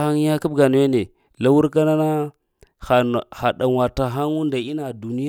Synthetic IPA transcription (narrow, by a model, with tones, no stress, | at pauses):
a˦ŋ˦a˦ka˦bɡa˨nu˨we˦ne˨ | la˦wu˦ɾk̬a˦na˦na˦ | xa˨xa˨ɗa˨wa˨ta˨ɦa˦ŋu˦nda˨i˦na˨du˨ni˦